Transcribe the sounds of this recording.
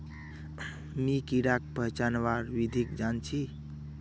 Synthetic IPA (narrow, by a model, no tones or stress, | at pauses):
mikiɽak̚pəɦt͡ʃanʋaɾwid̪ʱikd͡ʒant͡ʃʰi